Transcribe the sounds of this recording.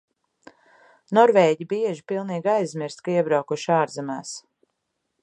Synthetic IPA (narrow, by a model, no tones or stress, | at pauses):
nɔɾvɛːɟibiɛʒipilˠniːɡajzmʲiɾst̪kaiɛbɾawkuʃaːɾzɛmaːs